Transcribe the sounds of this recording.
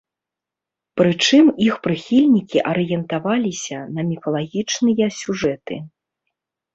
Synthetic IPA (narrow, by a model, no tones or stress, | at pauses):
pɾɨt͡ʂɨmixpɾɨxʲilʲnʲikʲiʔɐɾɨjɛnt̪avalʲisʲɐnɐmʲifɐlˠaɣʲit͡ʂnɨjɐsʲuʐɛt̪ɨ